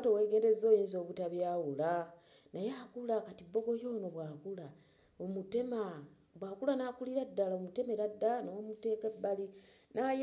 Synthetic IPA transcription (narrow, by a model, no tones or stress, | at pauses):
towe̞ːɡe̞ːnde̞zo̞ːjiːnzoːβutaβjawula | najakulakatibːo̞ɡo̞jo̞ːno̞βwaːkula | omutema | βwaːkulanaːkuliɾadːalaomute̞me̞ɾadːalanoomute̞ːkebːalinaj